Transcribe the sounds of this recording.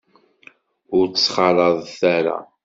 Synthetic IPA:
ʊɾt͡ssːχɑɾˤɑðˤθæɾa̰

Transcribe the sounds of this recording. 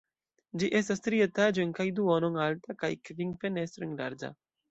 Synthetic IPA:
d͡ʒiʔesast̪ɾiət̪ad͡ʒeŋkajd̪uɔnɔŋalt̪akajkviŋfenest̪ɾiŋɾa̰ɾd͡ʒa̰

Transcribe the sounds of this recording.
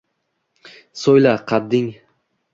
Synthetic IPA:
sojlaqʰɑd̪ːɪŋ

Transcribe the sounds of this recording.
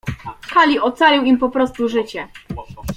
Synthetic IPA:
kalʲiʔɔt̪salʲiwimpɔpɾɔst̪uʐɘt͡ɕɛ

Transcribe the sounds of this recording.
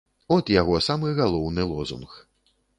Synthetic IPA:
ɔt̪jaɣɔsamɨɣalˠɔwnɨlˠɔzṵnx

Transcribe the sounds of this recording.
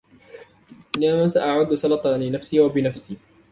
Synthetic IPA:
ʔɪnamaːsaʔaʕʊd̪ːsɑlɑt̪ˤɑlɪnafsiːwabɪnafsiː

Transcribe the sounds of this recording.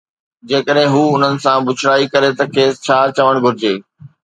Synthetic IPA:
d͡ʑeːkəɗɦɪ̃ɦuːʊn̤ənɪ̆sãbʊt͡ɕʰɾaːikɐɾet̪ɐkʰeːst͡ɕʰaːɾt͡ɕɐʋəɽ̃ɡʱʊɾɪd͡ʑeː

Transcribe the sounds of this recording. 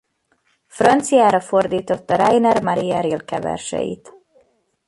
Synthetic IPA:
frɒnt̪sijaːɾɒfo̞rd̪iːt̪o̞t̪ːɒɾɛjnɛrmɒɾiɛɾilkɛvɛ̰rʃɛ̰jḭt̪

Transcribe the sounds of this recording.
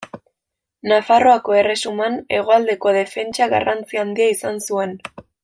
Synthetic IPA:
nafaro̞ako̞e̞re̞sumane̞̰ɣ̞o̞ald̪e̞ko̞ð̞e̞fe̞nt͡ʃaɣa̰rant͡siand̪iaisansue̞n

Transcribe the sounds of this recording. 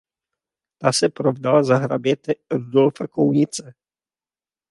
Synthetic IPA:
t̪asɛpɾovdalazaɦɾabjɛt̪ɛɾudolfakowɲɪt͡sɛ

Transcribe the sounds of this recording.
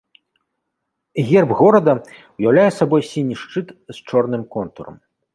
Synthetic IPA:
ɣʲɛrbɣɔɾɐd̪ɐ | wjawlʲajɛsabɔjsʲinʲiʂt͡ʂɨt̪st͡ʂɔrn̪ɨmkɔnt̪ṵɾɐ̰m

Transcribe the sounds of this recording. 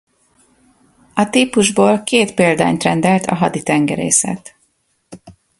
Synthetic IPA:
ɒt̪iːpuʒboːlkeːt̪peːld̪a̰ːɲt̪rɛnd̪ɛlt̪ʰɒ̰ɦɒd̪it̪ɛŋɡɛ̰ɾḛːsɛ̰t̪

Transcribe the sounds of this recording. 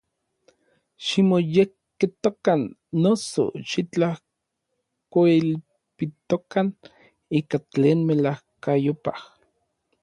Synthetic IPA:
ʃimojekkːit̪okanːoso̰ʃit͡ɬah | koil | pit̪okan | iːkat͡ɬeːnmelahkajopa̰h

